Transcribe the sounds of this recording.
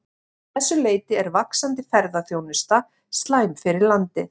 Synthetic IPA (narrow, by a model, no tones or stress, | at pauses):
θɛsːʏleːjt̪ɪɛɾvaksant̪ɪfɛɾðaθjownʏst̪a | st̪laːjmfɪɾɪɾlant̪ɪ